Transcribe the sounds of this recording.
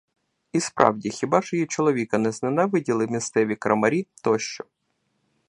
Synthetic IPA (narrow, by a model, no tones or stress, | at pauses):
ispɾʔɑ̰wdʲixʲibɑʒɔjit͡ʃɔlˠɔʋʲikɐnɛznɐnɛʋɪdʲilˠɪwmʲist̪sɛʋʲikɾɐmɐɾʲit̪ɔʃt͡ʃɔ